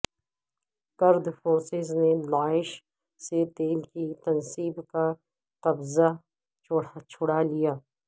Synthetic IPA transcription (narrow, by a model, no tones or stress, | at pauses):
kɐɾd̪foːɾsɪznelaːɪʃ | set̪eːlkit̪ɐnsiːbka | qɐbza | t͡ʃʰʊɽalijaː